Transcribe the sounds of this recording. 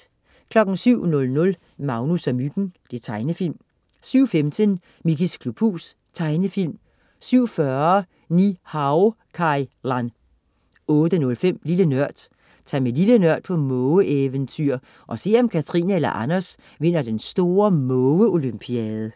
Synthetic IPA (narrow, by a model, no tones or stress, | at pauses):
kʰlɒ̽ɡ̥n̩syʊ̰nɔ̽lnɔ̽l | mɑ̈ʊnusæmyɡ̥n̩d̥et͡sʰɑ̈ɪnəfil̰m | syʊ̰femd̥ʰən | miɡiskʰlub̥ʰṵs | t͡sʰɑ̈ɪnəfil̰m | syʊ̰fɶɐɐ | nihɑʊ | kʰɑɪlɑn | ɔ̽ːd̥ənɔ̽lfem̰lilənɶɐ̰d̥ | t͡sʰæmelilənɶɐ̰d̥pʰɒ̽mɔəʔeʋənt͡sʰyɐ̰ | ʔɒ̽se̝̰ɒ̽mkʰæt͡sʰʁḭnæelɐ̰ʔɑnɐs | ʋe̝n̰ɐd̥ensd̥o̝ːɐmɔʊəo̝lympʰiɛːð̩ˠə